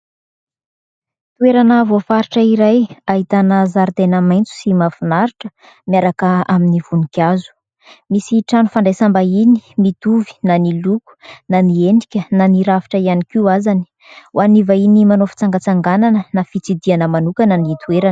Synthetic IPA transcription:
t̪ueɾanavafaɾiʈ͡ʂəiɾajaɦit̪anəzaɾt̪enəmajnt͡su̥simafunaɾiʈ͡ʂə̥ | mjaɾakəaminivunikʲazu̥ | misiʈ͡ʂanufaɳɖ͡ʐesambainimit̪uvi̥naniluku̥nanieɳɖ͡ʐikʲənaniɾavi̥ʈ͡ʂəianikiwazani̥ | wanivainimanofi̥t͡saŋɡət͡saŋɡananənafit͡sid̪ianəmanukanənit̪ʰueɾanə

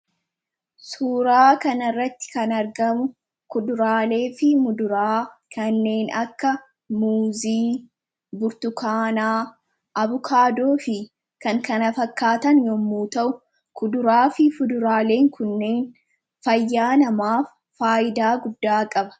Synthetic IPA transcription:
suːɾaːkɐnɐrːɐt̪ːɪ̥kɐnɐɾɡɐmʊ | kʊd̪ʊɾaːle̞ːfɪmʊd̪ʊɾaːkʰɐnːe̞ːnɐkːɐ | muːziː | bʊɾt̪ʊkaːnaː | ʔɐβʊkʰaːd̪oːfɪ | kɐŋkɐnɐfɐkːaːt̪ɐnjomːuːt̪ɐʔʊ | kʊd̪ʊɾaːfɪfʊd̪ʊɾaːle̞ːŋkʰʊnːe̞ːn | fɐjːaːnɐmaːfːaːʔɪd̪aːɡʊd̪ːaːkʼɐbɐ̥

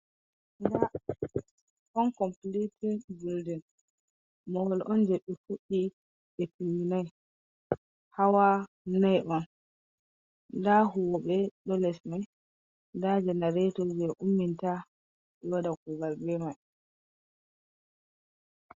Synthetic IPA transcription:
nda | ʔɔnkɔmplitinɡuldɛn | mɔwɔlʔɔnd͡ʒɛɓːɛfuɗi | ɛtimːinaj | hawa | najʔɔn | daɦuwɔɓɛɗɔlɛsmaj | ndad͡ʒɛnaɾetɔd͡ʒɛʔumːinta | jɔdakɔɡaɾbɛmaj

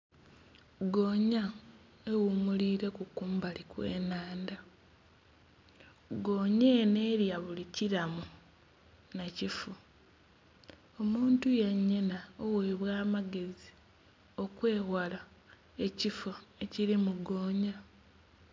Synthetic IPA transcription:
ɡo̞ːɲa | ewumuliːɾe̞kukuːmbalikwe̞̰ːnaːnda | ɡo̞ːɲene̞ːɾjaβuliciɾamu | nacifu | o̞muːntujeɲːenaowe̞ːβwaːmaɡe̞zi | o̞kwe̞ːhwala | e̞cifue̞ciɾimuɡo̞ːɲa

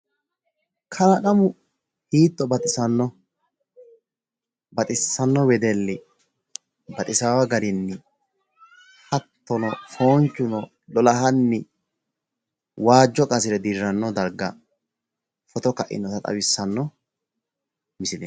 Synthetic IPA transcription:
kʰɐlɐkʼɐmʊ | hiːt̪ːɔbɐt̪ʼɪsɐnːɔ | bɐt̪ʼɪsːɐnːɔwɛd̪ɛlːɪ | bɐt̪ʼɪsaːwɐɡɐɾɪnːɪ | hɐt̪ːɔnɔfoːnt͡ʃːʊnɔ | lɔlɐɦɐnːɪ | waːd͡ʒːɔkʼɐsɪɾɛd̪iɾːɐnːɔd̪ɐɾɡɐ̰ | fɔt̪ɔkɐʔɪ̰nɔt̪ɐt̪ʼɐ̰wɪsːɐnːɔ | mɪsɪlɛ

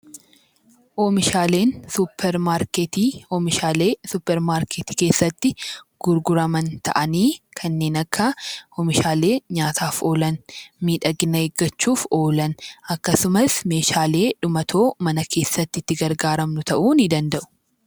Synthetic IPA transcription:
ʔoːmɪʃaːle̞ːnsʊpːɛɾmaːɾket̪ioːmɪʃaːleːsʊpːɛɾmaːɾket̪i̥ːke̞ːsːɐt̪ːɪɡ̥ʊɾɡʊɾɐmɐnt̪ɐ̰ʔɐniːkʰɐnːe̞ːnɐkːɐoːmɪʃaːle̞ːɲaːt̪ʰaːfo̞ːlɐnmiːᶑɐɡɪnɐeɡːɐt͡ʃːuːfo̞ːlɐnɐkːɐsʊmɐsme̞ːʃaːle̞ːᶑʊmɐt̪ʰo̞ːmɐnɐkʰe̞ːsːɐt̪ːɪt̪ːɪɡɐɾɡaːɾɐmnʊt̪ɐʔuːnɪd̪ɐnd̪ɐʔʊ̥

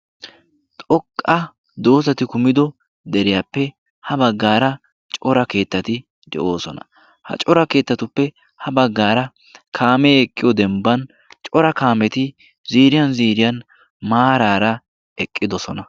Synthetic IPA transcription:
t̪ʼɔkʼːɐ | d̪o̞ːzɐt̪ɪkʊmɪd̪ɔ | d̪ɛɾɪjaːpːɛ | hɐbɐɡːaːɾɐ | t͡ʃʼɔɾɐke̞ːt̪ːɐt̪ɪ | d̪ɛ̰ʔo̞ːsɔnɐ̰ | hɐ̰t͡ʃʼɔɾɐke̞ːt̪ːɐt̪ʊpːɛ | hɐbɐɡːaːɾɐ | kʰaːmɛɛkʼːɪjɔd̪ɛmbɐn | t͡ʃʼɔɾɐkaːmɛt̪ɪ | ziːɾɪjɐnziːɾɪjɐn | maːɾaːɾɐ | ɛkʼːɪd̪ɔsɔnɐ

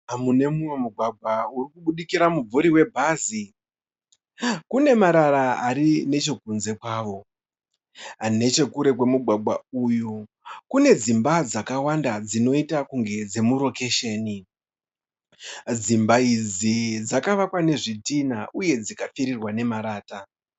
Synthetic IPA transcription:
amune̞mumwe̞muɡʱwaɡʱwaurikuɓuɗikiɾamub͡vuɾiwe̞bʱaːzi | kune̞maɾaɾaaɾine̞t͡ʃo̞k̚unze̞kwaːʋo̞ | ane̞t͡ʃe̞kuɾe̞kwe̞muɡʱwaɡʱwauju | kune̞d͡zimbad͡zakawandad͡zino̞itakuŋɡe̞d͡ze̞muro̞ke̞ʃeːni | d͡zimbaid͡zid͡zakaʋakwane̞ʐitinaʔuje̞d͡zikafiɾirwane̞maɾaːta

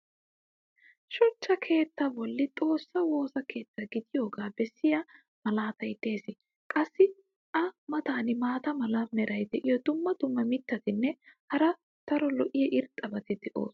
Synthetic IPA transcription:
ʃɔt͡ʃːɐkʰe̞ːt̪ːɐbɔlːɪt̪ʼo̞ːsːɐwo̞ːsɐkʰe̞ːt̪ːɐɡɪd̪ɪjoːɡaːbɛsːɪja | mɐlaːt̪ɐjd̪e̞ːsɪ | kʼɐsːɪ | ʔɐmɐt̪aːnɪmaːt̪ɐmɐlanɛɾɐjd̪ɛʔɪjɔd̪ʊmːɐd̪ʊmːɐmɪt̪ːɐt̪ɪnːɛhɐɾɐ | t̪ɐɾɔlɔʔɪjɛʔɪɾt̪ʼːɐbɐt̪ɪd̪ɛʔo̰ːs

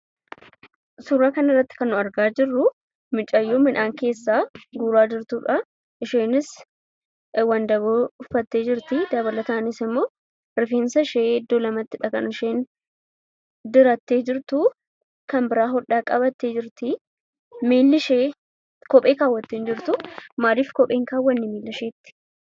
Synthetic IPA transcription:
suɾaːkɐnɪrːɐt̪ːɪ̥kɐnːʊɐɾɡaːd͡ʒɪrːʊ | mɪt͡ʃʼːɐjːoːmɪnʔaːŋke̞ːsːaːɡuːɾaːd͡ʒɪɾt̪uːᶑɐ | ʔɪʃeːnɪs | wɐnd̪ɐβoːʊfɐt̪ːe̞ːd͡ʒɪɾt̪ɪd̪ɐβɐlɐt̪anɪsɪmːo̞ː | ɾɪfiːnsɐʃeːɪd̪ːoːlɐmɐt̪ːɪᶑɐkɐnʊʃeːn | d̪ɪɾɐt̪ːeːd͡ʒɪɾt̪ʊ | kɐmbɪɾaːɦɔᶑaːkʼɐbɐt̪ːeːd͡ʒɪɾt̪ɪ | meːlːɪʃeː | kɔpʼeːkaːwːɐt̪ːeːnd͡ʒɪɾt̪ʊmaːɾiːfkɔpʼːeːŋkaːwːɐnːɪmiːlːɐʃeːt̪ːɪ̥

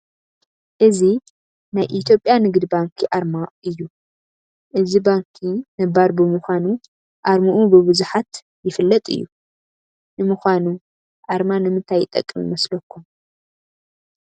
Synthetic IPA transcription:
ʔɨzi | najʔit̪ʰjo̞pʼjanɨɡd̪baŋkʰiʔaɾmaʔɨjːu | ʔɨzibaŋkʰinɐbaɾbɨmuxʷanu | ʔaɾmuʔubɨβɨzuħat̪ | jɪfɨlːɐt̪ʼɨ̰jːṵ | nɨmuxʷanu | ʔaɾmanɨmɨnt̪ʰajːɪt̪ʼːɐ̰kʼːɨmḭmɐslɐkːum

